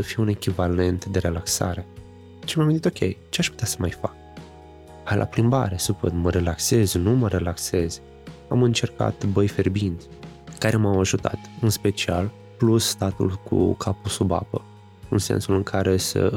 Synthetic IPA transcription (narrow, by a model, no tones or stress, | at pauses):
səfijune̞kʲivale̞nt̪d̪e̞ɾe̞laksa̰ɾe̞ | t͡ʃimamint̪it̪okʲʰe̞̰jt͡ʃeaʃpu̥t̪easə̥majfak̚ | ajlʔa̰pɾimba̰ɾe̞supə̰nməɾe̞lakse̞znuməɾe̞lakse̞z̥ | a̰mɨnt͡ʃe̞rka̰t̪bəjfe̞rbint̪sʲkaɾʔe̞mawaʒut̪a̰t̪ɨnspe̞t͡ʃial | plusːt̪at̪ṵlkʰṵkʰapusuba̰pə | ɨnse̞̰nsulɨŋkʰaɾʔe̞sə̰